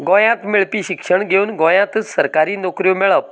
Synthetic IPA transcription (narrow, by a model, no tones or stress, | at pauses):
ɡõjãt̪miɭpiːɕikʂəɳɡʱeuːnɡõjãt̪səɾkaɾiːnokɾijomeɭəʋ